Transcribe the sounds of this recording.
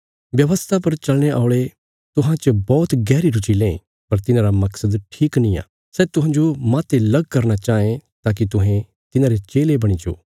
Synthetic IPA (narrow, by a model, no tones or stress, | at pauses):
ʋjɐʋəst̪ʰapɐɾt͡ʃɐlɽ̃eaːɭe | t̪ʊɦãt͡ʃɐbɔːt̪ɡɛːɾiɾʊt͡ʃilẽ | pɐɾt̪ɪnãːɾamɐksəd̪ʈʰiːknĩa̰ː | sɛːt̪ʊɦãːd͡ʒomaːt̪elɐɡkɐɾnat͡ʃaːẽt̪aːk̬it̪ʊɦẽ | t̪ɪnãːɾet͡ʃeːlebɐɽ̃id͡ʒo̰ː